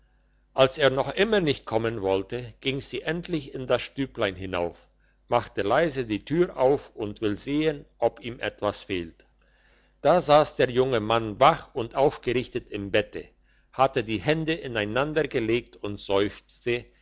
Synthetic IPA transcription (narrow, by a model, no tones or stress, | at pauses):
ʔalseːɐnɔχʔɪmɐnɪçt̚kʰɔmənvɔltəɡ̥ɪŋz̥iːʔɛntʰlɪçɪndasʃtyːplaɪnɦɪna̰ʊf | maχtəlaɪzədiːtʰyːʁʔaʊfʊntv̥ɪlzeːənʔɔpiːmʔɛ̰tv̥asfeːlt | d̥aːzaːsd̥eːɐjʊŋəmanvaχʊntʔaʊfɡ̥əʁɪçtətɪmbɛtə | hatədiːhɛndəʔɪnaɪnandɐɡəleːk̚tʊntz̥ɔʏft͡stə